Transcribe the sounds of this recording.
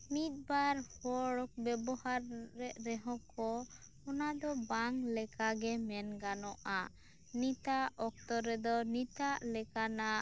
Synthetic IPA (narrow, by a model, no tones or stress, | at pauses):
mit̪̚baɾhɔɽɔk̚bɛbɔhaɾːɛʔɾɛɦɔ̃kʰɔ | ɔnad̪ɔbaŋlɛkaɡɛmɛnɡanɔʔa | nit̪aʔɔk̚t̪ɔɾɛd̪ɔnit̪aʔlɛkana